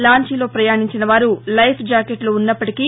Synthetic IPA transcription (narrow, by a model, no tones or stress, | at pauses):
laːɲt͡ʃilo̞ːpɾɐjaːɳiɲt͡ʃinɐʋaːɾulɐjpʰd͡ʒaːkeʈloːunːɐpːɐʈiki